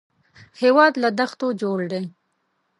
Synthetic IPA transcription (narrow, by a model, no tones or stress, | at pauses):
hewɑd̪lad̪axt̪od͡ʒoɽd̪e